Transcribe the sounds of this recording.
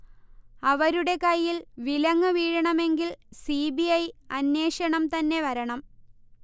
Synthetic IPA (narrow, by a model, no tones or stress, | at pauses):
ɐʋɐɾuɽe̞kɐjːilʋilɐŋːɨʋiːɻɐɳɐme̞ŋɡilsibiɐjɐnːe̞ːʂɐɳɐmt̪ɐnːe̞ʋɐɾɐɳɐm